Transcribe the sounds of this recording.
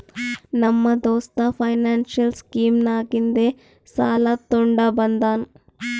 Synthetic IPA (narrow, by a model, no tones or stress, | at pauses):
nɐmːɐd̪oːst̪ɐpʰɐjnaːnʃjɐlskiːmnaːɡind̪e | saːlat̪oɳɖabɐnd̪aːn